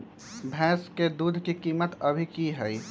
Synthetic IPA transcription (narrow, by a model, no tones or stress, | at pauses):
bʱɛ̃ːsked̪uːd̪ʱkikiːmət̪əbʱikiɦɛi